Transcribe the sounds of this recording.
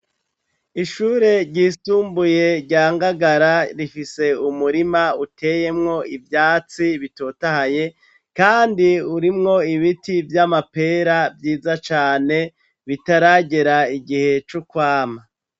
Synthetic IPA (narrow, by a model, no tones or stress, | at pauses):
iʃuːɾe̞ɾɟiːsuːmbuje̞ɾɟaːŋɡaɡaɾaɾifise̞umuɾimautʰe̞ːje̞mŋo̞ivjaːt͡siβitotahaje̞ | kaːndiuɾimŋo̞iβitivjamape̞ɾabjiːzat͡ʃaːne̞ | βitaɾaɟe̞ɾaiɡihe̞t͡ʃukwaːma